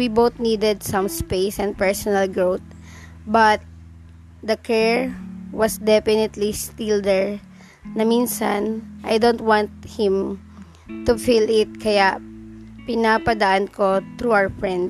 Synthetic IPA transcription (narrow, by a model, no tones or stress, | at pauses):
wibowt̪nid̪ɛd̪sɐ̃mspejsɛ̃nd̪̚pɛɹsɔnɐlɡɹowt̪̚ | bɐt̪̚ | d̪ɐkʰɛɹwɐsd̪ɛfɪnɪt̪list̪ild̪ɛɹ | nɐminsa̰nʔajd̪ownt̪̚wãnt̪̚hɪ̃m | t̪ʊfilɪt̪̚kʰɐjaʔpɪnapɐd̪ɐʔankot̪ɾuawəɹfɹɛ̃nd̪